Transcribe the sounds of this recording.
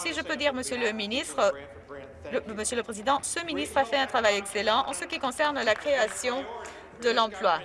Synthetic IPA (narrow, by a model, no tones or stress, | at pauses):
siʒəpød̪iʁməsjələminist̪χə | əməsjøləpχezid̪ɑ̃səminist̪χafɛɛ̃t̪χavajɛkselɑ̃ʔɑ̰̃səkʲikɔ̃sɛʁnlakχeasjɔ̃ | d̪əlɑ̃plwa